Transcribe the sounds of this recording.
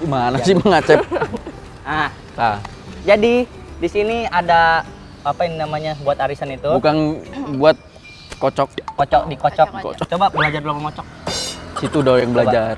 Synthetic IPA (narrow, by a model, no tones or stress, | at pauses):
imanasɪmaŋat͡ʃɛ | ah | ta | d͡ʒadi | disiniada | apaaŋnamaɲabuat̪aɾisanit̪ubukanbuat̪̚ | kot͡ʃɔkkɔt͡ʃɔk̚dikɔt͡ʃɔk̚ikɔ̰t͡ʃɔt͡ʃobabəlad͡ʒarblapamɔt͡ʃɔk̚sit̪udajaŋbəlabd͡ʒar